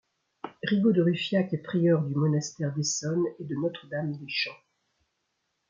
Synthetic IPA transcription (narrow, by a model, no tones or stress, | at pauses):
ʁiɡod̪əʁyfjakɛpχijœʁd̪ymɔnast̪ɛʁd̪esɔned̪ənɔt̪χəd̪amd̪eʃɑ̃